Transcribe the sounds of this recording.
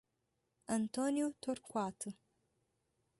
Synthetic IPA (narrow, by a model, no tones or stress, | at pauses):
ɐntʰonjutʰorkʷaːtʰɨ